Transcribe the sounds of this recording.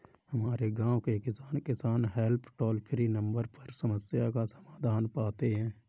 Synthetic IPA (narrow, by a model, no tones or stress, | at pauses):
həmaːɾeɡãːokekɪsaːnkɪsaːnɦɛlpʰʈɔːlpʰɾinə̃mbəɾpəɾsəməsjakasəmaːd̪ʱaːnpaːt̪eɦɛ̃ː